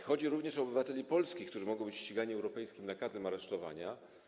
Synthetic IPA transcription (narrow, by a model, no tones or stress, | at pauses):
xɔd͡ʑiɾuvɲɛʂɔːbɘvat̪ɛlʲipɔlskʲikt̪uʐɘmɔɡɔ̃w̃bɘt͡ɕɕt͡ɕiɡaɲiɛwɾɔpɛjskʲimnakazɛmaɾɛʂt̪ɔva̰ɲa